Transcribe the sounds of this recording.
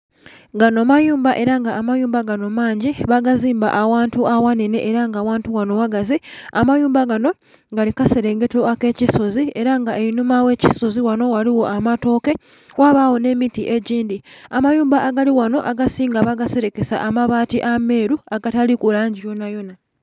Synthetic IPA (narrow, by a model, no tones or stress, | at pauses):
ɡano̞majuːmbaʔe̞ɾaŋɡaːmajuːmbaɡano̞maːɲɟiβaɡaziːmba̰ʔawaːntuawane̞ne̞ʔeɾaŋɡawaːntuwano̞waɡaziamajuːmbaɡano̞ | ŋɡalikase̞ɾe̞ŋɡe̞toake̞ːciso̞zie̞ɾaŋɡaʔeinumawe̞ciso̞ziwano̞waliwo̞ʔamato̞ːke̞ | waβawo̞ne̞mitiʔe̞ɟiːndiamajuːmbaʔːɡaliwano̞̰ʔaɡasiːŋɡaβaɡase̞ɾeke̞sa̰ʔamaβaːtiʔame̞ːɾuaɡatalikulaːɲɟijo̞najo̞na